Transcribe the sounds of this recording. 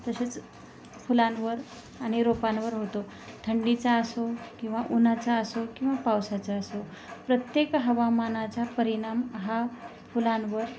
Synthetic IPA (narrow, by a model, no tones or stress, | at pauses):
t̪əsət͡s | fulanʋəɾ | aɽ̃iɾopanʋəɾɦot̪o | t̪ʰəɳɖit͡saəsokĩw̃ʋaʔunat͡saəsokĩw̃ʋapawsat͡ɕaəso | pɾət̪jekɦəʋamanat͡ɕapəɾiɽ̃amɦa | fulanʋəɾ